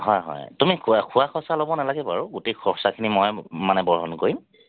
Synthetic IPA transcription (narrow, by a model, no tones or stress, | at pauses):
ɦɔjɦɔ̰jtumikʰkʰuwaxɔsalɔbɔnalaɡɛpaɹʊɡutekʰɔɔsakʰinimɔjmanɛbɔɹɦɔnkoɹim